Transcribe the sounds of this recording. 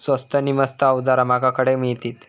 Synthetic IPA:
sʋəst̪ʰəniməst̪əawd͡zaɾamakakəɽemit̪iːt̪

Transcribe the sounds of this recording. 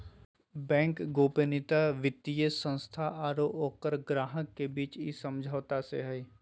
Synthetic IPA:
bɛ̃ːŋkɡoːpenɪt̪aʋɪt̪ːijəsə̃nst̪ʰaʔaːɾoːoːkəɾɡɾaːɦəkːebiːt͡ʃisəmd͡ʒʱaːʋt̪aseɦɛi

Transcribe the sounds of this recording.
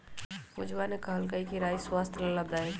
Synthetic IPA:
kʊd͡ʒwanekɐɦəlkəikiɾaːjswaːst̪ʰlɐləb̚d̪aːe

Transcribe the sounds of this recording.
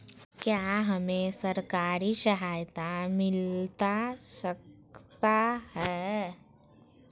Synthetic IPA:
kjaːɦəmẽsəɾkaːɾiʃəɦaːjt̪amɪlt̪aʃək | t̪ahɛː

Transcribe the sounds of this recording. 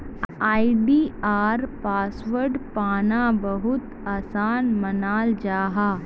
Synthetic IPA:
aːiɖiːaːɾpaːsʋəɾɖpaːnabɐɦʊt̪ | aːsaːnmɐnaːld͡ʒaːɦaː

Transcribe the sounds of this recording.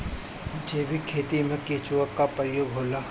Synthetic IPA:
d͡ʒeːʋikʰeːt̪imẽkeːt͡ʃuwəkːapɾəjoːɡɦoːlaː

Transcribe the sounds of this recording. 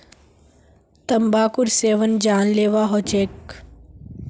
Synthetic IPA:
t̪ɐmbaːkʊɾseːʋənd͡ʒaːnleːʋaːɦot͡ʃeːk

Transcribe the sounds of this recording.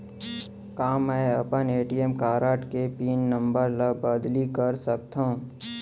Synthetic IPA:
kaːmːɛːɐpəneːʈiemkaːɾaːʈkepiːnːə̃mbəɾlabəd̪likəɾsək̚t̪ãũ

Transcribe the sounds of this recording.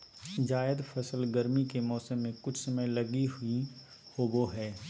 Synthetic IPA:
d͡ʒaːɪd̪fʰɐsəlɡəɾmikemɔːsəmːẽkʊt͡ʃʰsɐməjlɐɡiɦʊi | hoːboɦɛː

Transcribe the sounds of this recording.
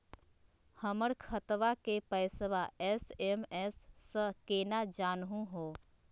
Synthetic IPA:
həməɽkʰət̪ʋakepəɪsəʋaʔɛsemɛsːəkeːnad͡ʒaːnɦũɦoː

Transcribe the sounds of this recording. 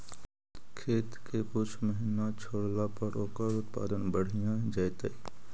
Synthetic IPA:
kʰeːt̪kekʊt͡ʃʰməɦɪnat͡ʃʰoːɽlapəɾʔoːkəɾʊt̪pa̰ːd̪ənbəɽ̤ijãd͡ʒajt̪ei

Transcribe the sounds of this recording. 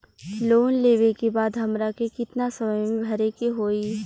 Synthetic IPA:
loːnleːʋekebaːd̪ɦɐmɾakekɪt̪nasɐməjmẽbʱɐɾekeɦoːi

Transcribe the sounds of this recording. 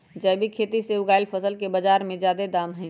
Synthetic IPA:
d͡ʒəɪbʱikʰeːt̪iseuɡaːɪlpʰəsəlkebəd͡ʒaːɾmẽd͡ʒjaːd̪ed̪aːmɦɛ̃

